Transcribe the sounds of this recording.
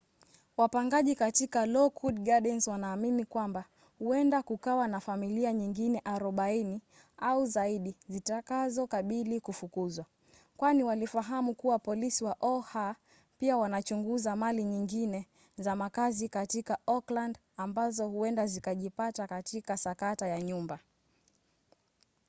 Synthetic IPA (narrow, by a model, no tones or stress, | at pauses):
wapaŋɡaʄikatikalɔkʰudɡaɗɛnswanaːminikwamba | huɛndakukawanafamiliaɲiŋɡinɛʔaɾɔɓaini | auzaiɗizitakazɔkaɓilikufukuzwa | kwaniwalifaɦamukuwapɔlisiwaʔɔha | piawanat͡ʃuŋɡuzamaliɲiŋɡinɛ | zamakazikatikaɔkland | ambazɔhuɛndazikaʄipatakatikasakatajaɲumba